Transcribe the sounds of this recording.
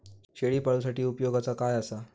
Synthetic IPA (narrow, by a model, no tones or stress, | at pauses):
ɕeɭiːpaɭusaʈiːupjoɡʱat͡sakajasa